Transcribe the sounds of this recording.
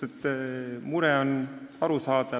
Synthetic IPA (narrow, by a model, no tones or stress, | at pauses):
et̪ːmuɾɛonɑɾusɑːd̪̥ɑ